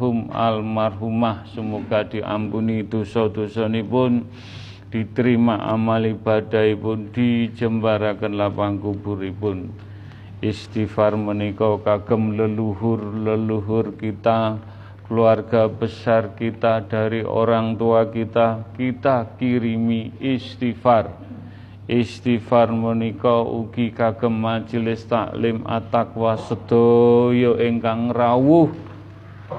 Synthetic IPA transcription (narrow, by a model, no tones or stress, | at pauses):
ɦʊma̰lmarɦumahsəmoɡ̥ad̥iʔa̰mpunid̪̥osɔd̪̥osɔnipʊn | d̥i̤t̪əɾimaʔa̰maliba̤daipʊnd̥id͡ʒəmbaɾakənlapaŋkubuɾipʊn | ɪst̪ifarmənikɔkaɡ̥əmləluɦʊrləluɦʊrkit̪a | kəluarɡ̥a̤b̥əsarkit̪ad̪̥a̤ɾiʔo̰ɾaŋt̪uakit̪akit̪akiɾimiist̪ifar | ʔɪst̪ifarmənikɔṵɡ̥ikaɡ̥ə̤mːad͡ʒəlɪst̪a̰ʔlɪma̰t̪ak̚wasəd̪̥ojoʔeŋkaŋrawʊh